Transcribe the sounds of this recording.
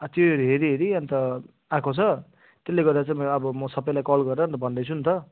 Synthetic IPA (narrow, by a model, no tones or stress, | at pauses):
at̪joeɾiɦeɾiɦeɾiʌnt̪ʌ | ãkʰot͡sʰʌ | t̪elːeɡʌrd̪at͡saĩmʌbʌmʌsʌbʌjlajkʌlɡʌrʌʌnt̪ʌbʱʌnd̪ʌjt͡sʰunt̪ʰʌ